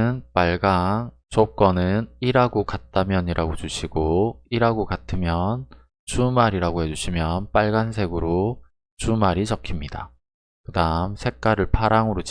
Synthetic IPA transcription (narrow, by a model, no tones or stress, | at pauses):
npaɭɡaŋ | t͡ɕok͈ʌnɯniɾaɡokat̚t͈amjʌɲiɾaɡot͡ɕuɕʰiɡoiɾaɡokatʰɯmjʌn | t͡ɕumaɾiɾaɡohe̞d͡ʑuɕʰimjʌnp͈aɭɡansʰe̞ɡɯɾo | t͡ɕumaɾit͡ɕʌkʰimɲida | kɯdamsʰe̞k̚k͈aɾɯɭpʰaɾaŋɯɾot͡ɕ